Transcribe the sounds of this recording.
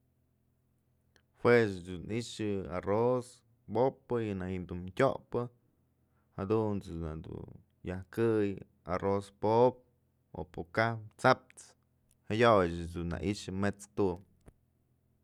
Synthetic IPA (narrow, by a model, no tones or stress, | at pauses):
hwesd̪uniʃɨa̰ros | bopːɨjɨnahiʔnd̪umtʲo̰ʔpɨ | had̪unt͡sɨna̰d̪ṵ | jahkɨj | a̰rospop̚ | o̰pokahpt͡sap̚t͡s | hajojd͡ʒɨd̪unːa̰ʔiʃɨmet͡st̪u